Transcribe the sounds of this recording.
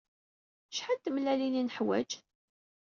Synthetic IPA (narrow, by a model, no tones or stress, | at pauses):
ʃħat̪ːəmlælininəħwæ̰d͡ʒ